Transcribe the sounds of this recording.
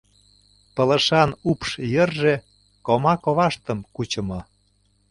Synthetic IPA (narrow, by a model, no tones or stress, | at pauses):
pə̆lə̆ʃɑnupʃjərʒe | komɑkoβɑʃt̪ə̆mkut͡ɕə̆mɤ̆